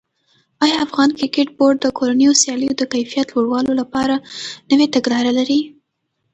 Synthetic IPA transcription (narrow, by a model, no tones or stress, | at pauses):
ɑjɑafɣɑnkɾɪkeʈ̚boɾɖ̚d̪əkoɾanəjosjɑləjod̪əkajfijat̪loɽwɑlolapɑɾanəwet̪aɡɽɑɾalaɾi